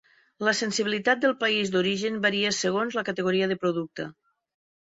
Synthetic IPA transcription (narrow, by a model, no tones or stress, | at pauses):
ləsensiβilit̪at̪̚d̪əlˠpaizd̪uɾiʒənbaɾiəsəɣ̞onzləkət̪eɣ̞uɾiəðəpɾuðuk̚t̪ə